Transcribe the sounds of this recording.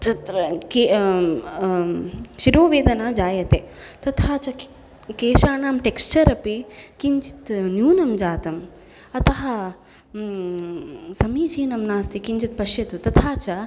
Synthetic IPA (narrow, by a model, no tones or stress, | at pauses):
t̪ɐt̪ɾɐke | ʃiɾoːʋeːd̪ɐnaːd͡ʒaːjɐt̪eːt̪ɐt̪ʰaːt͡ʃɐ | keːʃaːnaːmʈekst͡ʃɐɾɐpikiɲt͡ʃi̥t̪njuːnɐmd͡ʒaːt̪ɐm | ɐt̪ɐɦɐ̆ | sɐmiːd͡ʒiːnɐmnaːst̪ikiɲt͡ʃit̪̚pɐʃjɐt̪ut̪ɐt̪ʰaːt͡ʃɐ